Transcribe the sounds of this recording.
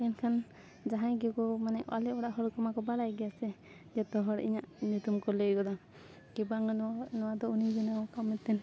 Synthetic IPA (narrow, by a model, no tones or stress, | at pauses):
ɛnkʰan | d͡ʒaɦãjɡɛkɔmanɛʔa̰lɛɔɽaʔɦɔɾkɔmakɔbaɾajɡɛjasɛ | d͡ʒɛt̪ɔɦɔɾḭɲaʔɲut̪umkɔleɡɔd̪a | kibaŋnɔwad̪ɔunid͡ʒinaɔkamːɛt̪ːɛn